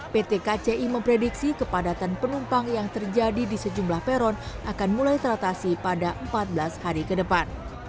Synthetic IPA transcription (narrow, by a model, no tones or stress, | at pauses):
pet̪ekat͡ʃeʔiməmpɾediksikəpadat̪anpənumpaŋjaŋt̪ərd͡ʒadidisəd͡ʒumlahpeɾɔn | akanmulajt̪əɾat̪asipadaʔəmpat̪̚bəlashaɾikədəpan